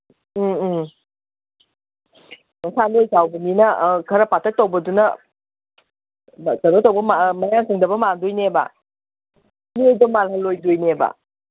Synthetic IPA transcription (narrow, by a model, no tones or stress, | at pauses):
mɐsʰanojsawbɐninɐkʰɐɾɐpatʰɐt̚ːowbɐdunɐ | tɐɾotowbɐmamɐjaŋtʰɐŋdɐbɐmaŋdujneba̰ | miojbɐmalhɐlojdujneba̰